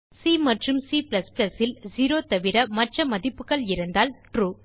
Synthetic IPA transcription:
siːmɐʈrɯmsiːplɐsplɐsɪld͡ʒiːɾoːt̪ɐʋɪɾɐmɐʈrɐmɐðɪpːɯɣɐɭɪɾɯnd̪aːlʈɾuː

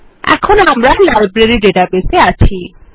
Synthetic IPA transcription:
ɛ̰kʰonamɾalajbɾeɾiɖeʈabeseat͡ʃʰi

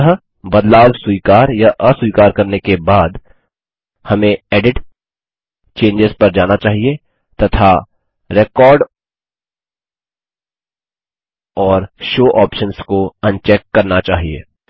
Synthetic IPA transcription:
ɦə | bɐd̪laːwswuiːkaːɾjaʔɐsuiːkaːɾkɐɾnekebaːd̪ | hɐmẽɛːɖɪʈ | t͡ʃẽːɲd͡ʒɪzpɐɾd͡ʒaːnat͡ʃaːɦie | t̪ɐt̪ʰa | ɾeːkɔːɾɖ | ɔːɾʃoːʔɔːpʃənskoɐ̃nt͡ʃɛːkːɐɾnat͡ʃaːɦiḛː

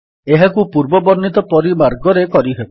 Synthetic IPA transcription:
eɦakupuɾbɔbɔɾnit̪ɔpɔɾimaɾɡɔɾekɔɾiɦebɔ

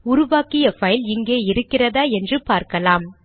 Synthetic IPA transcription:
ʊɾʊʋaːkɪjɐfɐjlɪŋɡeːɪɾɯkːɪrɐðaːɛndrɯpaːɾkɐlaːm

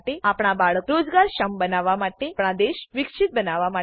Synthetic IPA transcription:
ʈeapɳ̃abaɭəkɾod͡ʒɡaɾʃəmbənaʋamaʈepɳ̃ad̪eʃʋɪkʃit̪̚bənaʋama

